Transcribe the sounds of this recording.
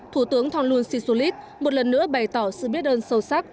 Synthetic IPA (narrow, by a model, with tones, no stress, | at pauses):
t̪ʰu˧˩t̪ɨ˨˦əŋt̪ʰɔ˧nlu˧ənsi˧su˧li˦˥t̚ | mo˨˩t̚lə˨˩nːɨ̰˧˥əɓa˨˩jt̪ɔ˧˩sɨ̰˧˨ɓi˦˥ət̚ɗəː˧nsə˧wsa˦˥k̚